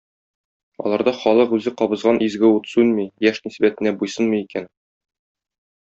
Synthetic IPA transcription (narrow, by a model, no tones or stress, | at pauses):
ɒ̰lˠɑɾd̪ɑχɒlˠɤqʉzɘqɒbɤ̆zʁɑnʔizɡɘut̪sʉnmijæʃnisbæt̪ɘ̆næbujsɤnmɤjikæn